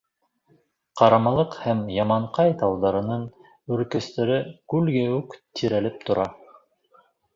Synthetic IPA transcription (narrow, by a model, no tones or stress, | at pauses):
qɑɾɑmɑlˠɤqhæmjɑmɑɴqɑjt̪ɑlˠd̪ɑɾɤ̆nɤɴ | ʉɾkɘ̆st̪æ̆ɾɘkʉlɡɘwʉkt̪ʰiɾælɘp̚t̪ŏɾɑ